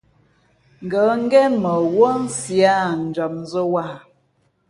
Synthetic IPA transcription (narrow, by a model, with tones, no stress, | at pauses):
ŋ̩˨ɡə˨˦ŋ̩˦ɡɛ˦mə˨wo˦n̩˦sja˦n̩˨d͡ʒɔ˨mn˦zə˦wa˦˨